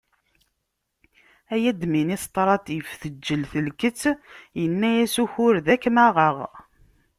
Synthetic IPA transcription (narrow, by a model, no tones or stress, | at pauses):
æjæd̪minist̪ˤɾˤɑt̪ifθəd͡ʒːəlθəlkət͡sːjənːæjæsuçʊɾðækmæʁəʁ